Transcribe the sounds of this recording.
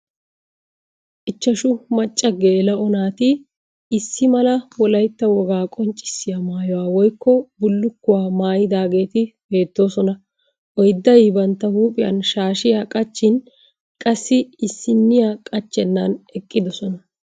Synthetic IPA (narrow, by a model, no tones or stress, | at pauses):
ʔʼɪt͡ʃːɐʃʊmɐt͡ʃʼːɐɡe̞ːlɐɔnaːt̪ɪː | sːɪmɐlɐwɔlɐjt̪ːɐwɔɡaːkʼɔnt͡ʃʼːɪ̥sːɪjɐmaːjɔwaːwɔjkːɔbʊlːʊkːʊwaːmaːjɪd̪aːɡe̞ːt̪ɪhe̞ːt̪ːo̞ːsɔnɐ | ʔɔjd̪ːɐjɪbɐnt̪ːɐhuːpʼɪjɐ̰nʃaːʃɪjaːkʼɐt͡ʃːɪn | kʼɐsːɪɪsːɪnːɪjakʼɐt͡ʃːɛnːɐnɛkʼːɪd̪ɔsɔnɐ